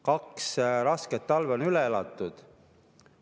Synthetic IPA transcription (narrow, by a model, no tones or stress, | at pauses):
kɑksɾɑsket̪ːɑlvonylɛelɑ̰t̪ˑːud̪̥